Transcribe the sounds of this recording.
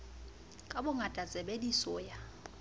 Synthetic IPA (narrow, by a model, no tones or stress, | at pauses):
kʼabʊŋatʼat͡sʼɛbedisɔja